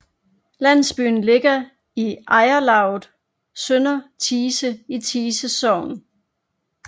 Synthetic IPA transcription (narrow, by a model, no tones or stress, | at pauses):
læn̰sb̥y̰ːn̩le̝ɡ̥ɐ | iɑ̈ɪɐlɑ̈ʊð̩ˠ | sønɐt͡sʰiːsəit͡sʰiːsəsɒʊ̰n